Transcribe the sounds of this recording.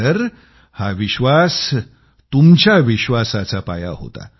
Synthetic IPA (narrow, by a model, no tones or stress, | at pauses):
əɾ | haʋiɕʋas | t̪umt͡ɕjaʋiɕʋasat͡sapa̰ja̰ɦo̰t̪a̰